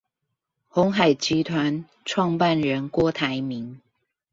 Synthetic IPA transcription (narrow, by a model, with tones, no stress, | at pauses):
xɔ˨˧˥ŋɦa˨˩ɪt͡ɕi˨˥t̪ʰwa˧˦n | ʈ͡ʂʰwɑ˥˧ŋpa˥˨nɻə˨˦nkwɔ˥t̪ʰa˨˦ɪmi˨˦ŋ